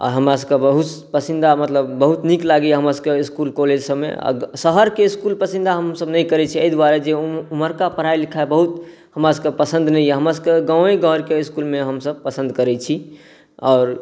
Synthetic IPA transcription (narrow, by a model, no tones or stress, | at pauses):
a̰ɦəmɾas̬əkebəɦut̪ | pəsind̪ʱamət̪ləbːəɦut̪niklaɡiɦəməskeiskulkoled͡ʒsəbmḛa̰səɦəɾkeiskulpəsĩnd̪ʱaɦəmsəbnəikəɾɛt͡ʃʰiəid̪waɾed͡ʒeuməɾkapəɾ̤ailikʰabəɦut̪ | həmɾasəkəpəsə̃nd̪nəijɛɦəmɾas̬əkeɡãeɡʱəɾkeiskulmeɦəmsəb̚pəsə̃nd̪kəɾɛt͡ʃʰi | ɔːɾ